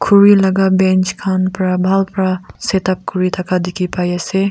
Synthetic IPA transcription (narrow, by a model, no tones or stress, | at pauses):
kʰuɹilaɡabɛnt͡ʃkʰanpɾabʱalpɾasetap̚kɔɾit̪ʰakʰad̪ikʰipajɛse